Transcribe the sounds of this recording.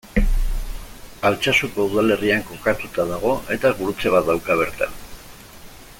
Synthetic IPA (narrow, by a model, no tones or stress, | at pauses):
alt͡ʃasuko̞uðale̞riaŋko̞kat̪ut̪að̞aɣ̞o̞e̞t̪aɣuɾut͡se̞βad̪awkaβ̞e̞ɾt̪a̰